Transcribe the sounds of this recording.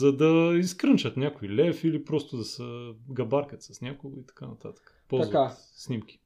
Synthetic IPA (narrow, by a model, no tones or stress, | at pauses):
zɐd̪ɐiskɾənt͡ʃət̪nʲakoilɛfilipɾɔst̪ʊd̪ɐsəɡɐbaɾkət̪sɐsnʲakʊɡoit̪ɐ̥kanɐt̪a̰t̪ə̥kə̥polˠzva | snimk̟ʲi̥